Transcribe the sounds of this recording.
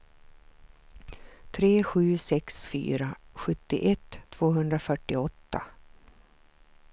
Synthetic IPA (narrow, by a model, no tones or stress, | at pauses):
t̪ʰɾeːɧʉ̟ːsɛksfy̰ːɾaɧɵt̪ːɪ̰ʔɛt̪ʰːv̥oːɦɵnd̪ɾafœʈːɪɔt̪ːa̰